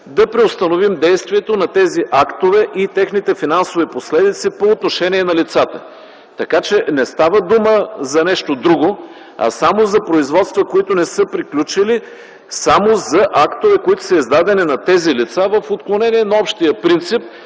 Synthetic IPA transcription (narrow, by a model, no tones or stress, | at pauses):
d̪ɐpɾɛʊst̪ɐnovimd̪ɛjst̪vʲiɛt̪onɐt̪ɛziʔakt̪ovɛʔit̪ɛxnit̪ɛfinansoviposlɛd̪it̪sipoːt̪noʃɛnʲiɛnɐlit̪sat̪ə | t̪ɐkat͡ʃɛnɛst̪avəd̪uməzɐnɛʃt̪od̪ɾuɡo | ɐ̰samozɐpɾoizvɔt̪st̪vəkoit̪ʊnɛsɤpɾiklʲut͡ʃili | samozɐʔakt̪ovɛkoit̪ʊ̥sɐizd̪ad̪ɛninɐt̪ɛzilit̪savəfot̪̚klˠonɛniɛnɐɔpʃt̪ijəpɾint̪sip̚